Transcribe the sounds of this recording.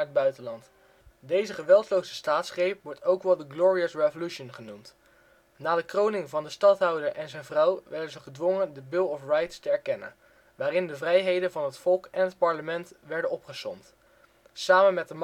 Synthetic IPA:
əd̚bœɥtənlɑnt | dejzəχəʋɛlˠtlowzəstaːtsχejp̚ʋɔɹtowkʋɛlˠdəɡlɔːɹiəsrevolyʃənχənumt | naːdəkrownɪŋvɑndəstɑtɦɑwdəɹʔɛnzɛjnvrɑwʋɛɹdənzəχədʋɔŋəndəbɪlˠɔfrɑjtstəɛɹkɛnə̰n | ʋaːrɪndəvrɛjɦejdənvɑnɦətfɔlˠkɛnɦət̚pɑɹləmɛntʋɛɹdənɔpχəsɔ̰mt | saːmənmɛt̚dəm

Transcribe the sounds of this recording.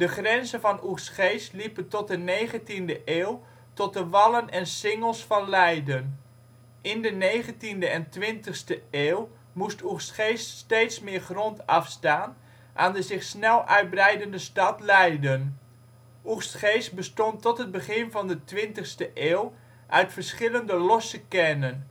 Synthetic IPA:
d̥əχrɛnzəvɑnustχejslipəntɔt̚dəneːχəntindəʔeːlˠ | tɔt̚dəʋɑlənɛnsɪŋəlˠsfɑnlɛjdən | ʔɪndəneːχəntindəɛntʋɪntəxstəeːlˠ | musturstχeːssteːtsmɪːrχrɔntɑfstaːn | ʔa̰ːndəzɪχsnɛlˠœɥt̚brɛjdəndəstɑtlɛjdən | ʔustχeːst̚bəstɔntɔtɦəd̚bəχɪnvɑndətʋɪntəχstəʔeːlˠ | ʔœɥtfərsχɪləndəlɔsəkɛnən

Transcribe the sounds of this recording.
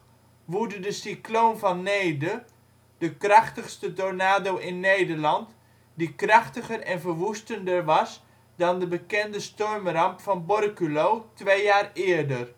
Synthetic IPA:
ʋudədəsikloːmvɑnːejdə | d̥əkrɑχtəχstədonaːdowʔɪnːejdərlɑnt | dikrɑχtəχərɛnvərʋustəndərʋɑs | dɑndəbəkɛndəstɔrmrɑmpfɑnbɔrkylowtʋejaːrɪːɹdər

